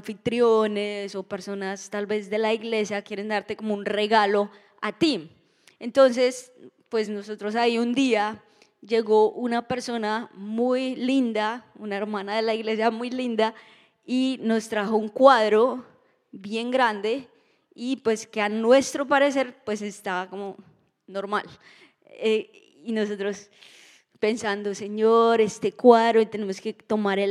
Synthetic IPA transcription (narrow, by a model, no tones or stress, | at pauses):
fit̪ɾjoneso̞pe̞ɾso̞nast̪albe̞zd̪e̞laiɣle̞sjakje̞ɾe̞nd̪aɾt̪e̞ko̞mounre̞ɣalo̞ | at̪i | e̞nt̪o̞ns̬e̞spwe̞sno̞so̞t̪ɾo̞saiund̪ia | d͡ʒe̞ɣo̞ʔunape̞ɾso̞namujlind̪aunae̞ɾmãnaðe̞laiɣle̞s̬jamujlind̪a | ino̞st̪ɾaxo̞uŋkwaðɾo̞ | bje̞ŋɡɾand̪e̞ | ipwe̞skeanwe̞st̪ɾopaɾe̞se̞ɾpwe̞sest̪ako̞mo | noɾmal | e | ino̞so̞t̪ɾo̞s | pe̞nsand̪o̞seɲoɾe̞st̪e̞kwaðɾoit̪e̞nemoske̞t̪o̞maɾe